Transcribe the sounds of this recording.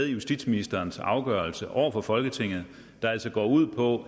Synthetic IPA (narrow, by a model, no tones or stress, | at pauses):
ðˠjusd̥id̥sminisd̥ɐːnsɑ̈ʊɡ̥ɶɐlsəʔɒ̰ʊ̰ɐfɒ̽fɒ̽lɡ̥ət͡sʰe̝ŋ̰ð̩ˠ | d̥ɑ̈æl̰sɒɡ̥ɒ̰ːuð̰ˠpʰɒ̽